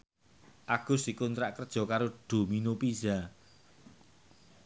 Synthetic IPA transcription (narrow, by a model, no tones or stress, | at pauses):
ʔaɡ̥ʊ̤sikunt̪ɾaʔkərd̥ʒ̥ɔ̤kaɾoɖ̥o̤minopiza